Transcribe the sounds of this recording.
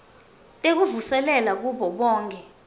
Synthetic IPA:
tʼek̬uvusɛlɛlak̬uɓɔɓɔːŋkʰʼɛ

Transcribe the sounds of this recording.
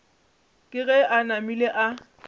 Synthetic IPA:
kʼɪɣɛʔanamileʔa

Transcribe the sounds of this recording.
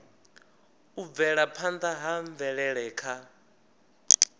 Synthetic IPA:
uvɛɺapʰand̪aɦaɱvɛɺɛɺɛːkʰa

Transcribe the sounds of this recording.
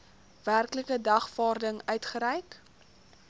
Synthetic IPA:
værkləkədɐχfɑːrdəŋœɥtχəɾɛjk

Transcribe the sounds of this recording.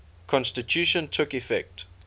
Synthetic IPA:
kʰɔ̃nstitʰjuʃə̃ntʰʊkifɛk̚t

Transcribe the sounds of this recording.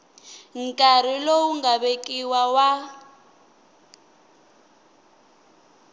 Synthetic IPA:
ŋ̩kʼaɾilowuŋɡaβekʼiwawa

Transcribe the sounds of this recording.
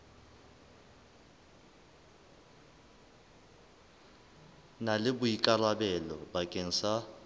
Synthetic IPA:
nalɪbʊikʼalwabɛlɔbakʼeŋ̩sa

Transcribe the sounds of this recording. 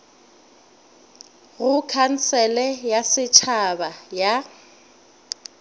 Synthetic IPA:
ɣʊkʰan̩t͡sʰɛlɛjasɪt͡ʃʰabaja

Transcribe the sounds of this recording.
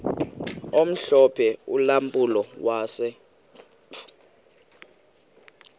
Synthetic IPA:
om̩ɬɔpʰɛulampʼulɔwaːsɛ

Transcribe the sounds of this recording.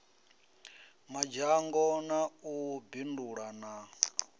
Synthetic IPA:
mad͡ʒaŋɡɔnaubinduɺana

